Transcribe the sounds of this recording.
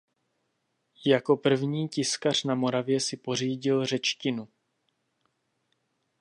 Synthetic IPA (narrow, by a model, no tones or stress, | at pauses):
jako̞pr̩vɲiːcɪskar̝̥namo̞ɾavjɛsɪpo̞r̝iːɟɪlrɛt͡ʃcɪnu